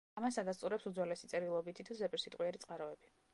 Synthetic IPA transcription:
amasad̪ast̪ʼuɾɛpsud̪zwɛlɛsit̪sʼɛɾilˠɔbit̪ʰit̪ʰuzɛpʼiɾsit̪ʼqʼwiɛɾit̪sʼqʼaɾɔɛbi

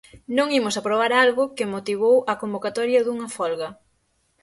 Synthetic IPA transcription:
nõŋimʊsɐpɾoβ̞aɾalɣʊkɪmot̪iβowɐkombokat̪ɔɾjɐðuŋɐfɔlɣɐ

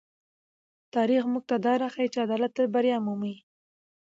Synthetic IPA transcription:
t̪ɑɾixmuɡ̚t̪ad̪ɑɾaxait͡ʃead̪ɑlat̪ːəɾbaɾjɑmumi

